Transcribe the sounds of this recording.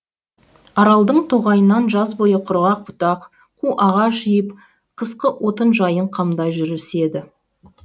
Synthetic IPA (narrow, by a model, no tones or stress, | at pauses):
ɑɾɑlˠd̪əɴt̪ʰoʁɑjənːɑnʒɑzbo̞jəqʰʊɾʁɑq̚bʊt̪ɑq | qʰuʔɑʁɑʒijəp | qʰəsqəʔwʔo̞t̪ənʒɑjəɴqʰɑmd̪ɑjʒʏɾɪse̞d̪ɪ